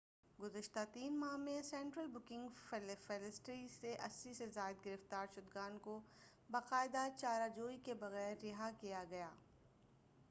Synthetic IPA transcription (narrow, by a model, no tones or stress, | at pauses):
ɡʊzəʃt̪at̪iːnmaɦmẽsɛ̃ːɳʈɾəlbʊkɪ̃ŋɡflfɛlɪsʈɾiseʔɐsːisezaːɪd̪ɡɪɾəft̪aːɾʃʊd̪ɡaːnko | baqaːɪd̪at͡ʃaːɾad͡ʒoːikebɐɣɛːɾːɪɦakijaɡɐjaː